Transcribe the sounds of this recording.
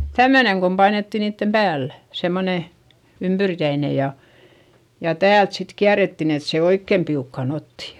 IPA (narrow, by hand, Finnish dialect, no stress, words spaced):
tæmːøneŋ kom pɑinetːi niːtːem pæːlːæ̥ semːone ympyrkæine jɑ jɑ tæːlt sit kiæretːin et se oikːem piukːɑˑn otːi